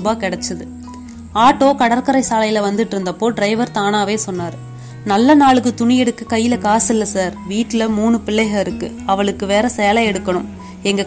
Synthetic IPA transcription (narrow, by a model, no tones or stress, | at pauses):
baːkɪɽɛt͡ʃːɐðɯ | aːʈːoːkɐɽɐɾkɐɾɐɪsaːlɐjɪlɐʋɐnd̪ɯʈːɪɾɯnd̪ɐpːoːɖɾɐɪʋɐɾt̪aːnaːʋeːsɔnːaːɾɯ | nɐlːɐnaːɭɯkːɯt̪ʊɳɪjɛɽɯkːɐkɐjːɪlɐkaːsɪlːɐsaːɾʋiːʈːɪlɐmuːɳɯpɪlːɐɪɣɐɪɾɯkːɯ | ɐʋɐɭɯkːɯʋeːɾɐsɛːɐlɐɛɽɯkːɐɳɯm | ɛŋɡɐ